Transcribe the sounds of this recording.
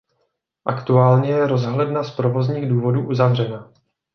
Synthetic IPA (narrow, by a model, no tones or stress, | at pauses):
ʔakt̪uaːlɲɛjɛɾo̞zɦlɛdnaspɾo̞vo̞zɲiːɣduːvo̞duːʔuzavr̝ɛna